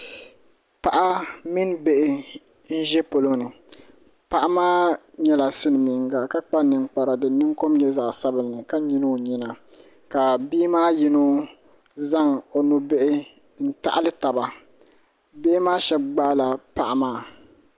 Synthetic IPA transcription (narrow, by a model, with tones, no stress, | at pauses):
pa˨ʔa˦mi˦nbe˦ʔɪ˦ | n̩˦ʒɛ˦po˨lo˦nɨ˨ | pa˦ʔa˦maː˦ɲɛ˦la˨sɨ˦n˨mi˨ŋɡa˨ka˦k͡pa˦nɨ˨ŋk͡pa˨ɾa˨dɨ˨nɨ˦ŋko˦mɲɛ˦za˨ʔsa˦bɨ˨lnɨ˨ka˦ɲi˦no˦ɲɛ˦na˨ | ka˨biː˦maː˦ji˦no˦ | za˦ŋo˨nu˦be˦ʔɪ˦ | n̩˦ta̰˦ʔa˦lɨ˦ta˨ba˨ | be˦ʔɪ˦maː˦ʃɛ˦b̚ɡ͡baː˦la˨pa˦ʔa˦maː˦˨